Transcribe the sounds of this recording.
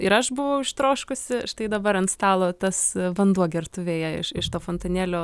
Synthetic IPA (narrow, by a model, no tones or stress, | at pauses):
ɪɾɐʃbʊʋɐʊɪʃt̪ɾoːʃkʊsʲɪʃt̪ɐɪd̪ɐbɐɾɐnt̪st̪ɑːlˠoːt̪ɐsʋɐnd̪uɔɡʲɛrt̪ʊʋʲeːjɛɪ̰ʃɪʃt̪oːfoːnt̪ɐnʲeːlʲoː